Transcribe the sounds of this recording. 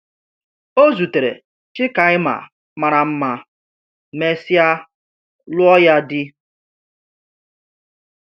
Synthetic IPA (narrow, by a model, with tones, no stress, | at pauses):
o˦zu˨te˨ɾḛ˨ | t͡ʃɪ˦ka˨ɪ˦ma̰˨ | ma˨ɾa˨m̩˦ma˨ | me˦sja˦ | lʊ˦ɔ˦ja˦dɪ˦